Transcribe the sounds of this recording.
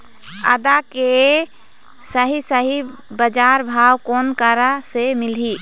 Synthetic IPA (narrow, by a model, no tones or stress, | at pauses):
ə̰d̪ake | səɦisəɦi | bəd͡ʒaɾbʱawkonkaɾasemilɦi